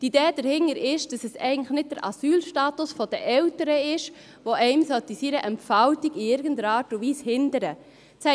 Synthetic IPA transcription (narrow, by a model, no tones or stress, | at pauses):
tideːd̥əɾhɪŋəɾɪʃd̥ɑsɛsɛɪɡən̩tləxnɪt̚d̥əɾʔɑ̰syːlʃtɑːtʊsfɔd̥əʔɛwtəɾəɪʃ | ʋoʔɛɪmsɔtisiːɾəʔɛmfaltiɡɪɪɾɡən̩dəɾɑːɾtʊʋiːshɪndəɾə | shɛ